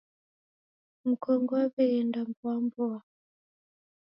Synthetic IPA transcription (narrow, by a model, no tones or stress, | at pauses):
m̩kɔŋɡɔaβɛːndambwambua